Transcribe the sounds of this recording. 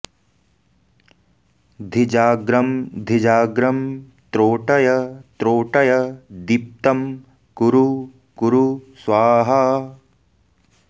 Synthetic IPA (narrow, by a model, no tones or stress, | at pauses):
d̪ʱid͡ʒaːɡɾɐmd̪ʱid͡ʒaːɡɾɐm | t̪ɾoːʈɐjɐt̪ɾoːʈɐjɐd̪ip̚t̪ɐm | kuɾu | kuɾusʋaːɦɐ